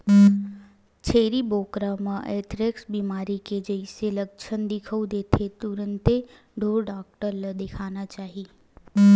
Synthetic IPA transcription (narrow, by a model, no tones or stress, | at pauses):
t͡ʃʰeːɾiboːkɾamãʔeːt̪ɾɪksbiːmaːɾiked͡ʒɐɪselɐk̚t͡ʃʰənd̪ɪkʰəud̪eːt̪ʰet̪ʊɾə̃nt̪e | ɖʱoːɾɖaːk̚ʈəɾləd̪ekʰaːnat͡ʃaːɦiː